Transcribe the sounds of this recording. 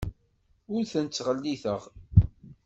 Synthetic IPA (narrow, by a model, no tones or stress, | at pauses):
ʊɾθənt͡sːʁəlːiθəʁ